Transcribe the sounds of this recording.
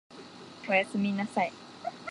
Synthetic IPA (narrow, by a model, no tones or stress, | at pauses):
ojasɨminasaj